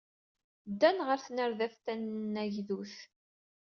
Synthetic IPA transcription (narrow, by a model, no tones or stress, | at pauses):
d̪ːænʁəɾθnəɾðæθt̪ænnːæʝðuθ